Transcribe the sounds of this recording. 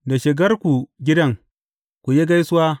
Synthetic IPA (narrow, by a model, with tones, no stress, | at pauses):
da˨ʃɪ˨ɡɐ˦rkʷu˨ɡʲɪ˦dɐ˦ŋ | kʷu˨ji˦ɡa˦jsʊ˦waː˦